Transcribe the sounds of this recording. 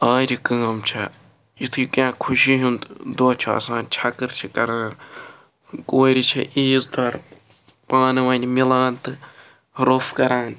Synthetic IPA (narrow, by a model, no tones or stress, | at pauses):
aːɾikɐːɐmt͡ʃʰɐ | it̪ʰɨikãːkʰuʃiɦunt̪d̪oːt͡ʃʰiɐ̰saːnt͡ʃʰɐkɨɾt͡ʃʰikɐɾaːn | koːɾit͡ʃʰḭʔiːzd̪ɐɾ | paːnɨʋɐnʲmilaːnt̪ɨ | ɾofkɐɾaːn